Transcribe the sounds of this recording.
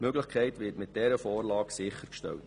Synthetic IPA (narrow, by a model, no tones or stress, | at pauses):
møɡləχkʰɛɪtʋɪːtmɪt̚d̥ɛɾəfɔːrlɑːksɪχəɾkʃtɛ̰lt